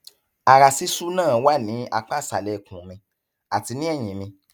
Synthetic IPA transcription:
a˨ɾa˨si˦su˦nãː˦˨wa˦˨nĩ˨˦a˧k͡pa˦˨sa˨lɛ˨kũ˨mĩ˧ | a˨ti˧nĩ˦ɛ˦˨j̃ĩ˨˦mĩ˧

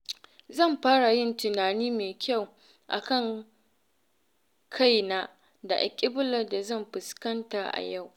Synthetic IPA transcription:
zɐ˦˨mɸaː˦ɽa˨jɪ˦˨ntɪ˨naː˨niː˦meː˨kʲʰa˦˨w | ʔa̰˨kɐ˦˨ŋ | kʰa˦˨jnaː˦ | da˨ʔa̰˨kʲʼɪ˦bʊ˦lɐ˨da˨zɐ˦˨mɸɪ˨skɐ˦nta˨ʔa̰˨ja˦˨w

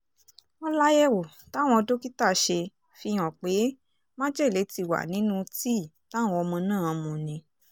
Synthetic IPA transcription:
ɔ˧la˦jɛ˦wo˨ | ta˨˦˨w̃ɔ̃˧do˦ki˦ta˦˨ʃe˧ | fi˧j̃ɔ̃˨k͡pe˨˦ | mã˦d͡ʒɛ˦˨le˨˦ti˧wa̰˨nĩ˨˦nũ˦ti˦˨ | ta˦w̃ɔ̃˧ɔ˧mɔ̃˧nãː˦˨˧mũ˨nĩ˧˦

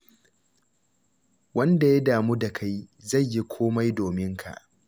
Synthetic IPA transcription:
wɐ˦nda˨ja˦daː˨muː˦da˨kʰa˦jza˦˨ɲjːi˦kʷʰoː˦ma˦jdoː˨mɪ˦ŋkʰa̰˨ʔ

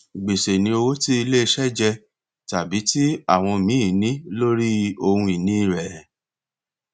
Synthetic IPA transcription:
ɡ͡be˨se˨nĩ˧o˧wo˦ti˦i˧le˦˧ʃɛ˦d͡ʒɛ˧ | ta˨bi˨˦ti˦a̰˦˨w̃ɔ̃˧mĩ˨˦˨nĩ˨˦lo˦ɾi˦o˧hũ˧i˨nĩ˨˦i˦˨ɾɛ˨

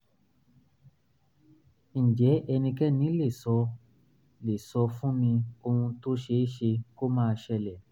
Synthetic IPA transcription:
ñ̩˨d͡ʒɛ˨˦ʔɛ˧nĩ˧kɛ˦nĩ˨˦le˦˨sɔ˧ | le˨sɔ˧fũ˦mĩ˧o˧hũ˧to˦ʃe˧˦ʃe˧ko˦mãː˦˧ʃɛ˧lɛ˨

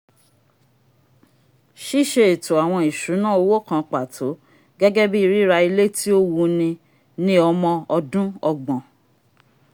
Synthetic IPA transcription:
ʃi˦˨ʃe˧e˨to˨a˨w̃ɔ̃˧i˨ʃu˨˦nãː˦˨o˧wo˦˨kã˧k͡pa˨tʰo˨˦ | ɡɛ˦ɡɛ˦bi˦i˧ɾi˦ɾa˧i˧le˦ti˦o˦wu˧nĩ˧ | nĩ˦ɔ˧mɔ̃˧ɔ˧dũ˦ɔ˧ɡ͡bɔ̃˨

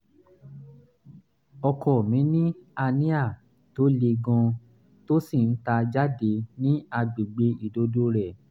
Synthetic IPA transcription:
ɔ˧kɔ˨mĩ˨˦nĩ˦a˧nĩ˦a˦˨ | to˦le˧ɡɔ̃˧ | to˦si˦˨n̩˦ta˧d͡ʒa˦de˧˦nĩ˦a˧ɡ͡bi˨ɡ͡be˧i˨do˨˧do˧˦ɾɛ˦˨

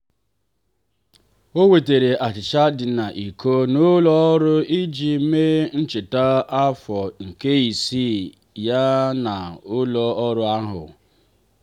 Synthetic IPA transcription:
o˦we˨te˨ɾe˨ʔa˨t͡ʃɪ˨t͡ʃa˦dɪ˨na˨ʔi˨ko˦nʊ˦lɔ˦ɔ˦ɾʊ˦i˦d͡ʒi˨˦me˦n̩˦t͡ʃɪ˨ta˦a˦fɔ˨ŋ̩˨ke˦i˨si˦˨ | ja˦na˨ʊ˦lɔ˦ɔ˦ɾʊ˦a˦ɦʊ̰˨

